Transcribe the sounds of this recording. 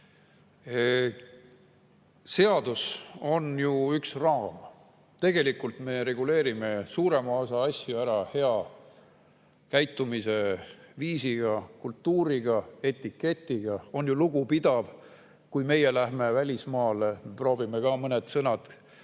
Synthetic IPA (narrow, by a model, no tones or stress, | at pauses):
se̞ɑd̪̥uso̞njuyksrɑːm | t̪e̞ɡ̥e̞likult̪me̞ɾe̞ɡ̥ule̞ːɾime̞suːɾe̞mɑosɑɑsʲjuæɾɑhe̞ɑ | kæjt̪ːˑumise̞viːsiɡ̥ɑkult̪ːuːɾiɡ̥ɑe̞t̪ːˑikːe̞t̪ːˑiɡ̥ɑo̞njuluɡ̥upid̪̥ɑv | kujme̞je̞læɦme̞vælʲismɑːlemepro̞ːvimekɑmɤned̪sɤnɑd̪̥